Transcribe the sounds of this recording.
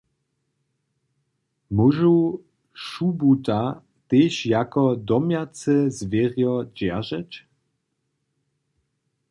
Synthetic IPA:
muʒuw | ʃubut̪a | t̪eɕjakɔd̪ɔmjat͡sɛzvʲjeʁjɔd͡ʑɛʒɛt͡ɕ

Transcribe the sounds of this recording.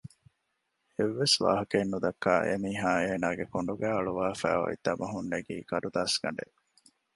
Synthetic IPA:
eʋːesʋa̰ːɦɐkenːud̪ɐkːaːʔḛmiːɦaːeːnaːɡekoɳɖuɡæːɐɭuʋaːfæ̰ːo̰ḭt̪ːɐmɐɦunːeɡiːkɐɾud̪aːsɡɐ̰ɳɖḛʔ

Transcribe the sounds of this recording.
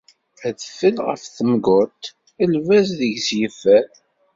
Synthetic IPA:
æðfəlʁə̰fθəmɡʊt̪ | əlvæzðəʝzjifæθ

